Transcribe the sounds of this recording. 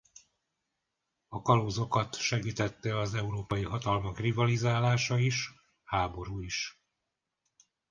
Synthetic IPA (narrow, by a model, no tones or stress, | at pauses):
ɒkɒloːzo̞kɒt̪ʃɛɡiːt̪ɛt̪ːɛɒzɛuɾoːpɒjiɦɒt̪ɒlmɒkrivɒlizaːlaːʃɒiʃ | haːbo̞ɾuːiʃ